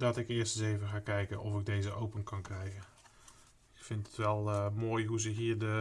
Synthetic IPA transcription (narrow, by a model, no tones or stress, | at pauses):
dɔtɪkɪəstəsejvəxaːkɛjkənʔɔfɪɡ̚dejzəowpənkʰɔnkrɛjkə | ɪkfɪntətʋɛlˠmoːjɦuzəɦiːəɹdə